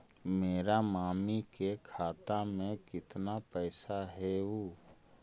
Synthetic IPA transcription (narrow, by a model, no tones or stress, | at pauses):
meːɾamaːmikekʰaːt̪amẽkɪt̪napɛːsaɦɛuː